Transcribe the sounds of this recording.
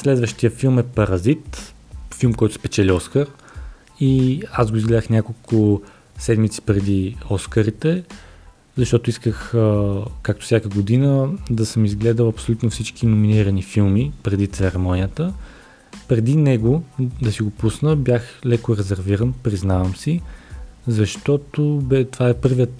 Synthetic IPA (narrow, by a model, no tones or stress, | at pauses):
slɛd̪vəʃt̪ijəfilˠmɛpɐɾɐzit̪filˠmkɔjt̪ʊ̥spɛt͡ʃɛliɔskəɾ | iazɡoizɡlɛd̪əxnʲjakolˠkʊ | sɛd̪mit̪si̥pɾɛd̪iɔskəɾit̪ɛ | zɐʃt̪ɔt̪ʊiskəxəkakt̪ʊ̥sʲjakəɡod̪inəd̪ɐsəmizɡlɛd̪əlɐpsolʲut̪nofsit͡ʃkinʊminiɾənifilˠmipɾɛd̪it̪sɛɾɛmɔnijət̪ə | pɾɛd̪inɛɡod̪ɐsiɡopusnəbjaxlɛkʊɾɛzɛɾviɾənpɾiznavəmsi | zɐʃt̪ɔt̪obɛt̪ovaɛpɤɾviət̪